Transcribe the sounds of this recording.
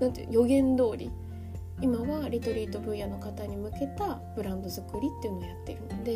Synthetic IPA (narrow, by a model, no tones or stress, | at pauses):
nãnt̪ḛjo̞ɡẽ̞nd̪o̞ːɾʲḭ | imaβaɾʲit̪o̞ɾʲiːt̪o̞bɯ̟̃jano̞kat̪aɲ̟imɯ̟ke̞t̪ab̥ɯ̟ɾãnd̪o̞zɨkɯ̟ɾʲit̪ːeiɯ̟nojat̪ːe̞iɾɯ̟nod̪e̞